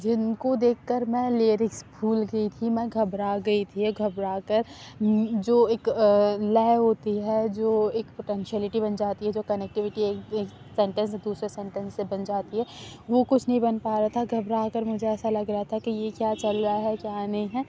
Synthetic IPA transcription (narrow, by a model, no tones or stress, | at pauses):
d͡ʒɪnkod̪eːkʰkɐɾmɛ̃leːɾɪksbʱuːlɡɐit̪ʰimɛ̃ɡʱɐbɾaɡɐit̪ʰiɦɛɡʱɐbɾaːkəɾ | d͡ʒoːeːklɛːɦoːt̪iɦɛd͡ʒoːeːkpoʈɛ̃nʃiəlɪʈibɐnd͡ʒaːt̪iɦɛd͡ʒoːkɐnɛk̚ʈɪʋɪʈieːkeː | sɛ̃ɳʈə̃nsd̪uːsɾesɛ̃ːɳʈə̃nsːebɐnd͡ʒaːt̪iɦɛʋokʊt͡ʃʰnɐɦĩbɐnpaːɾaat̪ʰaɡʱɐbɾaːkəɾmʊd͡ʒʱeɛːsalɐɡɾɐɦat̪ʰakijekjaːt͡ʃɐlɾaaɦɛkjaːnɐɦĩɦɛː